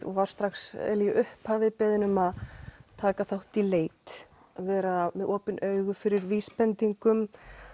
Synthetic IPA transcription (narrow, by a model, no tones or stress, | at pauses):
ɔ̰vaɾ̥st̪ɾaxsɛ̰ljɪʔʏhphaːvɪpɛːðɪnʏmaðt̪ʰaːkaθawht̪ileːjt̪ | vɛːɾamɛðʔɔːpɪnʔœːɥɣʏfɪɾɪɾviːspɛnt̪iŋkʏm